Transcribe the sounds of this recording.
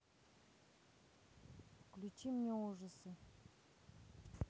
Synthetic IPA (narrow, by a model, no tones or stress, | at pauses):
fklʲut͡ʃimɲʲeoʐəsɨ